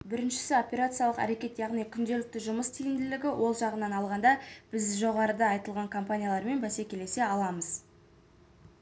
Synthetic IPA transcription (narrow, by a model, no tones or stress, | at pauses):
bɪɾɪnʃɪ̥sɪo̞pʲe̞ɾat̪sɨjalˠəqæ̰ɾe̞kʲe̞t̪jɑʁnijkʲʰʏnd̪e̞lɪk̚t̪ɪʒʊməst̪ʰijɪnd̪ɪlɪɡʲɪwʔo̞lˠʒɑʁənɑnɑlˠʁɑnd̪ɑb̥ɪzʒo̞ʁɑɾəd̪ɑɑjt̪əlˠʁɑŋkʰompanʲijalˠɑɾme̞nbæse̞kʲʰe̞le̞se̞ɑlˠɑməz̥